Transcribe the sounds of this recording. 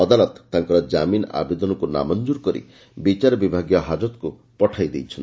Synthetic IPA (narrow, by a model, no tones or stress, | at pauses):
ɔd̪alɔt̪ːaŋkɔɾɔd͡ʒamina̰bed̪ɔnɔkuna̰mɔnd͡ʒuɾkɔɾḭ | bit͡ʃaɾɔbibʱaɡjɔɦad͡ʒɔt̪ku | pɔʈʰajd̪ejt͡ʃʰɔn